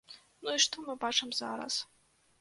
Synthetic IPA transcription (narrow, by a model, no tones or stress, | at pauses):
nuiʂtʰomabaʈ͡ʂʰamzaːɾa̰s